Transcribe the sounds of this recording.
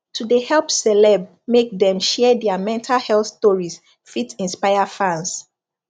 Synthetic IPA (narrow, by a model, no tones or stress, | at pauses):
tʰudehɛlpsɛlɛb | mek̚dɛ̃mʃɛdɛamɛ̃ntʰalhɛlθstɔɹis | fitĩnspaɪafãns